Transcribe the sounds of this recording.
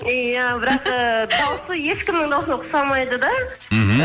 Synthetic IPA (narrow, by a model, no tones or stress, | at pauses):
ijæbɪɾɑqəd̪ɑwsəjeʃkʲɪmːɪɴd̪ɑwˠsənqʰʊ̥sɑmɑjd̪əd̪ɑ | ɦ